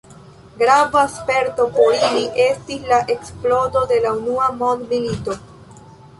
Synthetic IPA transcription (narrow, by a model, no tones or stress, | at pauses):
ɡɾavaspe̞ɾto̞po̞ɾiliʔe̞stislaʔe̞ksplo̞do̞de̞launuamo̞ndmilito̞